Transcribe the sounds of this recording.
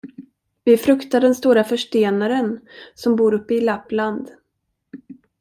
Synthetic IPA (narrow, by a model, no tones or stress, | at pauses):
vɪfɾɵkt̪aɖɛnst̪uːɾafœʂʈeːnaɾənsɔmbuːɾɵpːəɪlapːland̪